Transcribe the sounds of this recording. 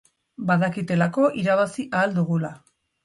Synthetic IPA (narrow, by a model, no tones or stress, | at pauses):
baðakit̪e̞lako̞ʔiɾaβ̞asiʔaːld̪uɣula